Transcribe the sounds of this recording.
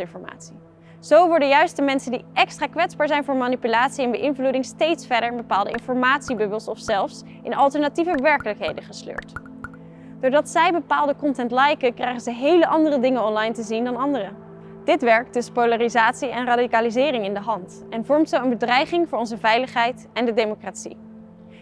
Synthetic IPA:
ɪnfɔɹma̰ːtsi | z̥owʋɔɹdəjœɥstəmɛnsəndiʔɛkstraːkʋɛtzbaːɹzɛjnvʊːɹmaːnipylaːtsiɛnbəʔɪnvludɪŋstejtsfɛɹdəɹbəpaːlˠdəɪ̰nfɔɹmaːtsibɵbəlˠsɔfsɛlˠfs | ʔɪnɑlˠtəɹnativəʋɛɹkələkɦejdəχəslø̰ːɹt | d̥ʊːɹdɑtsɛjbəpaːlˠdəkɔntɛntlɑjkəkrɛjχəzəɦejləʔɑndərədɪŋənɔnlɑjntəzindɑnɑndərə | d̥ɪtʋɛɹk̚d̥ɵspowlaːrizaːtsiɛnradikaːlizɪːrɪŋɪndəɦɑnt | ɛnvɔɹmtsowənbədrɛjχɪŋvʊːɹɔnzəvɛjləχɦɛjt | ɛndədejmokratsḭ

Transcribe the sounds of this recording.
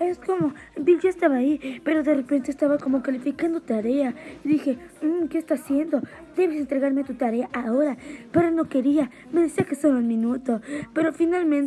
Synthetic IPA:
eskomo̞ | d̪iɟoest̪aβaːipe̞ɾo̞ðerepent̪eːst̪aβako̞mo̞kalifikand̪ot̪aɾeaiðixe̞m̩ke̞ːst̪asje̞nd̪o̞ | d̪e̞βesent̪ɾeɣaɾmet̪ut̪aɾe̞aʔao̞ɾapeɾono̞ke̞ɾia | meðesiakesoɾenmĩnut̪ope̞ɾo̞finalmẽnt

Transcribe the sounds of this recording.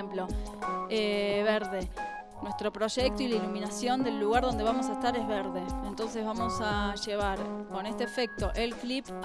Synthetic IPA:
mplo̞eβeɾðe̞ | nwe̞st̪ɾo̞pɾo̞ʒek̚t̪oilailumĩnasjo̞nd̪e̞lːuɣaɾð̞o̞nd̪e̞βamo̞s̬aest̪aɾezβeɾðe̞ent̪o̞ns̬e̞zβamo̞saʒeβ̞aɾko̞ne̞st̪eːfe̞k̚t̪o̞ʔelklip

